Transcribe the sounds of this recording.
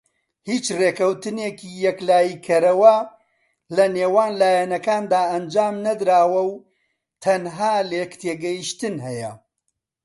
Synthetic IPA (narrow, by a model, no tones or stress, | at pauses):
hiːt͡ʃreːkɐwt̪ɨneːkiːjɛklaːjiːkʰɐɾɐwɐ | lɐneːwaːnlaːjɛnɐkaːnd̪aːɐnd͡ʒaːmnɐd̪ɾaːwɐw | t̪ʰɐnɦaːlekt̪ʰeːɡɐjiʃt̪ɨnɦɛjɐ̰